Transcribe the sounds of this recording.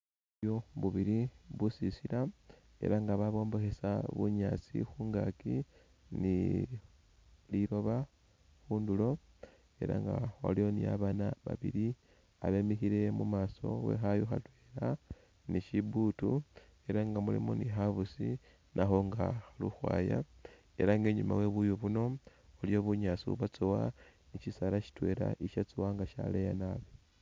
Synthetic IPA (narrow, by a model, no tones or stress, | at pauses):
o̞βuβiɾiβusisiɾa | e̞̰ɾaŋɡaβaβo̞ːmbo̞xe̞saβuɲat͡sḭxuːŋɡa̰ki | ni | liɾo̞βa | xuːndulo̞ | e̞̰ɾa̰ŋɡa̰xo̰lio̞nija̰βanaβa̰βḭɾi | a̰βe̞mixiɾe̞mumaːso̞̰we̞̰xajoxatwe̞ɾa | niʃibutu | e̞ɾaŋɡamulḭmonixaβusḭ | nʔaxo̞ŋɡaxluxwa̰ːja̰ | e̞̰ɾaŋɡeɲuma̰we̞βujoβuno̞olijo̞βuɲasṵβat͡sowaniʃisalaʃi̥twe̞ɾa̰ʔiʃat͡sowaŋɡaʃa̰lejanaβe